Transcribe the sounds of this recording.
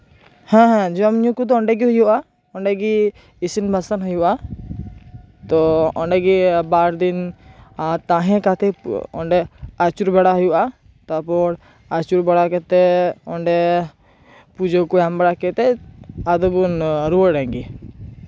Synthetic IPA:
hɛ̃ɦɛ̃d͡ʒɔmɲũkud̪ɔɔɳɖɛɡiɦɔjuʔa | ɔɳɖɛɡi | isinbʱasanɦɔjuʔa | t̪ɔɔɳɖɛɡibaɾd̪in | t̪ãɦɛ̃kat̪ʰɛɔɳɖɛat͡ʃuɾbɛɽaɦɔjuʔa | t̪apɔɽ | at͡ʃuɾbɛɽakɛt̪ɛɔɳɖɛ | pud͡ʒɔkɔjambɛɽakɛt̪ɛad̪ɔbunɾuwɔɖɛŋɡi

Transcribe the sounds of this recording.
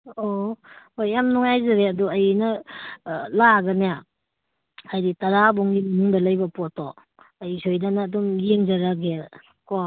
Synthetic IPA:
ohojːamnuŋajzaɾeɐduɐjnɐ | laɡɐneja | hajditaɾabɔŋɡimɐnuŋdɐlɐjbɐpɔtɔ | ɐjsojdanɐːdumjeŋzaɾaɡe | kɔ

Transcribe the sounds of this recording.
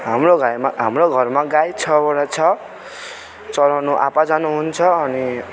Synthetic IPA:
ɦamroɡajmaɦamroɡʱʌrmaɡajt͡sʰʌbʌɽat͡sʰʌ | t͡sʌlanuʔa̰pad͡zanuɦunt͡sʰʌːni

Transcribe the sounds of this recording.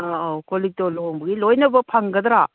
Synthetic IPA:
aakolik̚tolombɐɡilojnɐbɐpʰaŋɡɐd̪ɾa

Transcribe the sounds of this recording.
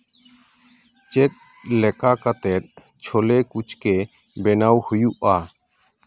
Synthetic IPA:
t͡ʃɛt̪̚ | lɛkakat̪ɛt̪̚ | t͡ʃʰolekut͡ʃke | bɛnawhujuʔa

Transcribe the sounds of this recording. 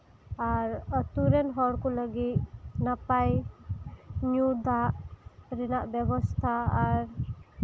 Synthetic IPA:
aɾət̪uɾenɦɔɽkuləɡit̪napaj | ɲud̪aʔɾinaʔbjəbɔst̪ʰaːɾ

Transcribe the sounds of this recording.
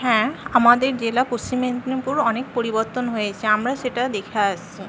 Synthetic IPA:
hɛ̃amad̪eɾd͡ʑelapost͡ɕiment̪nipuɾɔnek̚poɾibɔɾt̪onɦojet͡ɕʰeamɾaseʈad̪ekʰaasʰi

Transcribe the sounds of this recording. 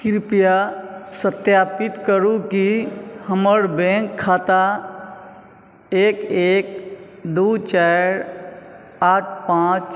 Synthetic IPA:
kɪɾpjasət̪jaːpɪt̪kəɾũkihəməɽbẽkʰːaːt̪a | eːkeːk̚ | d̪uːt͡ʃaːɾ | aːʈ̚ʰpãːt͡ʃ

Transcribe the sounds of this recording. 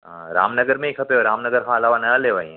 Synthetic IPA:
ɦãɾa̰ːmnɐɡəɾmẽɪkʰɐpeoɾaːmnɐɡəɾɦʰãɐlaːʋanɐleːʋaĩ

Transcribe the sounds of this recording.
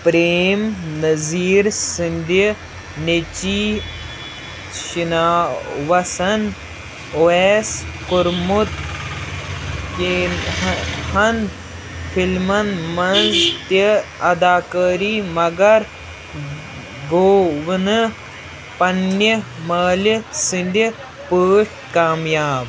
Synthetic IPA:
pɾeːmnɐziːɾsind̪ə | net͡ʃi | ʃinaːʋɐsɐn | oeskuɾmut̪ | ki | hɐn | pʰilmɐnmɐnst̪eɐd̪aːkəːɾiːmɐɡɐɾ | ɡoːʋnɨ | pɐnːɐmɐːləsinɖ̪i | pəːʂʈkaːmjaːb

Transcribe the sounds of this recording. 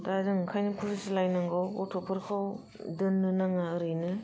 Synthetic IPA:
dazɯŋkʰajnɯpʰusɯsilajnaŋɡawɔtʰɔpʰɯɾkʰaw | dɯnːɯnaŋaɯɾɯjnɯ

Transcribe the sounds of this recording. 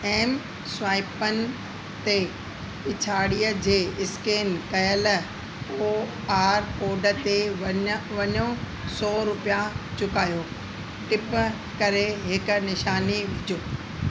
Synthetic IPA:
ɛːm | sʊaːɪpənɪ̆ | t̪e | ɪt͡ɕʰaːɽijəd͡ʑeːɪskeːnkɐjəl | oː | aːɾkoːɖə̆t̪e | ʋɐɲõ | sɔːɾʊpijat͡ɕʊkaːjoː | ʈɪp | kɐɾeɦɪkʊ̆nɪʃaːniʋɪd͡ʑʱoː

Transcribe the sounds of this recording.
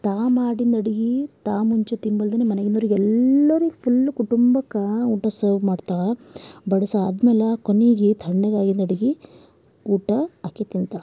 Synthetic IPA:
t̪aːmaːɽind̪ɐɽiɡit̪aːmuɲt͡ʃut̪imbɐld̪ɐnemɐnɐɡinoɾiɡɛlːɐɾuɡpʰulːkuʈumbɐkːɐuːʈɐsɐːɾʋmaːɖt̪aːbɐɽɐsaɐd̪ɐmɛːlɐkoneɡet̪ʰɐɳːɐɡaːɡind̪ɐɽiɡi | uːʈɐɐkːet̪int̪aː

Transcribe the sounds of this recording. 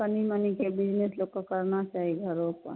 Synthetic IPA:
ənimənikebɪd͡ʒneslokakəɾnat͡ʃaːɦiɡʱəɾõkə̰

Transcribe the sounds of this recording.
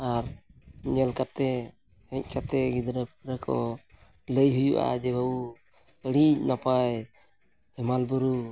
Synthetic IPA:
aɾɲɛlkat̪ɛ | hɛc̚ˀkat̪ɛɡid̪ɾəpp̚ɾəkʰɔ̰ | ləjɦujṵʔa̰d͡ʒɛbabu | əɽic̚napaj | hɛmalbuɾu

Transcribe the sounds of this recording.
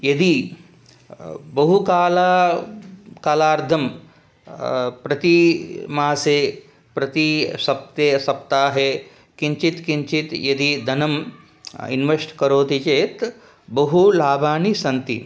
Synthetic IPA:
jɐd̪i | bɐɦukaːlaː | kaːlaːɾd̪ʱɐm | pɾɐt̪imaːseː | pɾɐt̪isɐp̚t̪esɐpt̪aːɦe | kiɲt͡ʃit̪kiɲt͡ʃit̪jɐd̪id̪ʱɐnɐm | ḭnʋɐʂʈkɐɾoːt̪it͡ʃeːt̪ | bɐɦulaːbʱaːnisɐnt̪ḭ

